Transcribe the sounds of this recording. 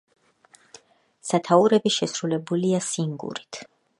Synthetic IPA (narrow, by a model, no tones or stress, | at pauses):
sat̪ʰauɾɛbiʃɛsɾulɛbuliasiŋɡṵɾit̪ʰ